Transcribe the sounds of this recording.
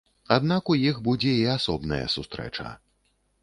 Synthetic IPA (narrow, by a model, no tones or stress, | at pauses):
ad̪nakujixbud͡zʲɛiasɔbnɐ̰jɐ̰sust̪ɾɛ̰t͡ʂɐ̰